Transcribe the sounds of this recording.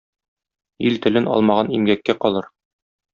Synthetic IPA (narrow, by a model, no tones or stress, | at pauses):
ilt̪ɘ̆lɘnʔɒ̰lˠmɑʁɑnimɡækːæqɒlˠɤɾ